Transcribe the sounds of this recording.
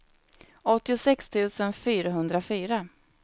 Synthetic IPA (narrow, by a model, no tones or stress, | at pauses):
ɔt̪ːɪʊsɛkst̪ʰʉ̟ːsənfyːɾaɦɵnd̪ɾafyːɾa